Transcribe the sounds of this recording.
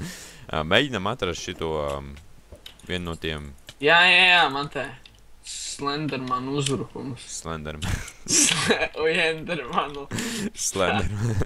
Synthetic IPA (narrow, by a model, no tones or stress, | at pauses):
meːɟinamat̪ɾast̪ʃit̪uɔ | ʋʲḭɛnnuɔt̪iɛmjaːjajaːmant̪ɛ | slˠɛnd̪ɛɾmanuzɾukumsslˠɛnd̪ɛɾmansɔjɛnd̪ɛɾmanuslˠɛnd̪ɛɾman